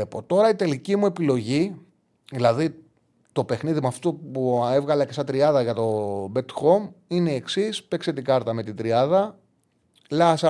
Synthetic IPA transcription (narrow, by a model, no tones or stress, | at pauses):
epo̞t̪o̞ɾɐit̪e̞licimue̞pilo̞ʝi | ðilɐði | t̪o̞pe̞xniðimuɐft̪opue̞vɣɐlɐcesɐt̪ɾiɐðɐʝɐt̪o̞be̞t̪xo̞mine̞ːksispe̞kse̞t̪iɡɐɾt̪ɐme̞t̪id̪ɾiɐðɐ | lɐsɐ